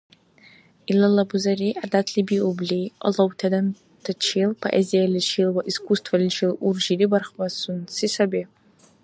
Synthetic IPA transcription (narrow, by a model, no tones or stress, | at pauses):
ilalabuzariʔadatʰlibiublʲeja̰lowtʰadan | tʰat͡ʃʰilpʰoʔezijalʲit͡ʃʰilwaʔiskʷʰʼustʰvalit͡ʃʰilurʒidibarχbasunsisabe